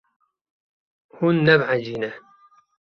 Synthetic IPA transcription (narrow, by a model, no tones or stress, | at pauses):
hunːɛbʕad͡ʒiːnɛ